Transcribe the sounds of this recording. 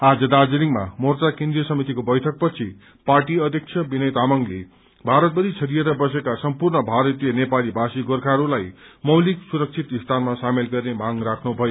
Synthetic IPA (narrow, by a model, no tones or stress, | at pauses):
ad͡zʌd̪ad͡ziɾiŋma̰mort͡sakend̪ɾijʌsʌmit̪ikobʌjt̪ʰʌk̚pʌt͡sʰi | parʈiʌd̪ʱjʌk̚t͡sʰjʌbinʌjt̪amʌŋlḛ | bʱaɾʌt̪̚bʌɾit͡sʰʌɾijeɾʌbʌsekasʌmpurnʌbʱaɾʌt̪ijʌnepalibʱasiɡorkʰaɾulajmʌwliksuɾʌk̚t͡sʰit̪ist̪ʰanmasamelɡʌrnemaŋrakʰnubʱʌjo